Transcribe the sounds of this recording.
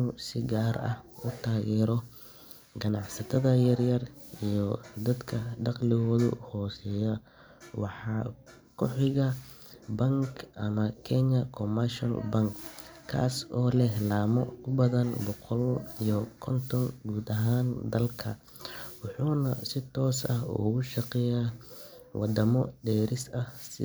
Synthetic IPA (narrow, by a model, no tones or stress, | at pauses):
nusɪɡaːrɐ̰hʊt̪ʰaːɣɛːɾɔ | ɡɐnɑʕsɐt̪ʰɐðɐjɐrjɐrijɔd̪ɐd̪kʰɐɖɑqlɪɣɔːðʊ̰hɔːsɛjɐ | wɑ̰ħɑː | kʰɔħɪɣɐ | bɐŋkʰʔɐmɐkʰɛɲɐkʰɔmɐrʃɐ̰lbɐŋkkʰːa̰ːsʔɔːlɛɦlaːmɔʊbɐðɐnbɔqɔlijɔkʰɔnt̪ʰɔŋɡuːd̪ɐɦaːnd̪ɐlkʰɐ | wɑħuːnɐsɪt̪ʰɔːsɐhṵːɣʊʃɑqɛjaːwʔɑ̰d̪ɐmɔɖɛːɾɪsɐhsɪ